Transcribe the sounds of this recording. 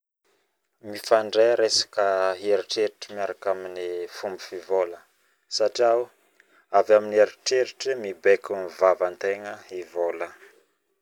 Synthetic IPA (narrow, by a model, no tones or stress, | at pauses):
mifaɳɖ͡ʐeɾesḁkəɦeɾiʈ͡ʂeɾiʈ͡ʂəmiaɾakaminifumbifivolə | saʈ͡ʂiaw | avamineɾiʈ͡ʂeɾiʈ͡ʂəmibekunvavant̪eŋəivolə